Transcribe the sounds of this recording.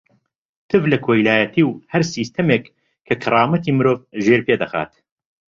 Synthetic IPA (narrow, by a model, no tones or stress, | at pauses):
t̪ʰɨvlɐkʰoːjlaːjɐt̪ʰiːwhɐɾsiːst̪ɐmeːk | kʰɐkʰɐrˤɑːmɐt̪ʰiːmɨɾoːvʒeːɾpeːd̪ɐxa̰ːt̪